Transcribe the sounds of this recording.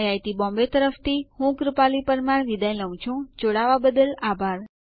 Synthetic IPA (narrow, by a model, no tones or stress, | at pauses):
jajt̪ibɔ̃mbet̪əɾəft̪ʰihũkɾupalipəɾmaɳʋid̪ajləʋ̃t͡ʃʰũd͡ʒoɽaʋabəd̪əlabʱaɾ